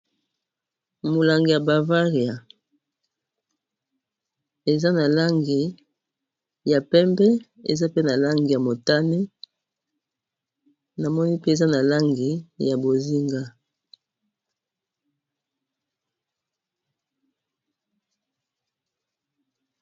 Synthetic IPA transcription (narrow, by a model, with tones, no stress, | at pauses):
mo˨la˨ŋɡi˨ja˨ba˨va˦ʁi˨ja˨ | e˨za˦na˨la˦ŋɡi˨ | ja˨pɛ˦mbɛ˦ | ḛ˨za˦pe˦na˨la˦ŋɡi˨ja˨mo˨ta˦ne˦ | na˨mɔ˦ni˦pe˦e˨za˦na˨la˦ŋɡi˨ja˨bo˨zi˦ŋɡa˦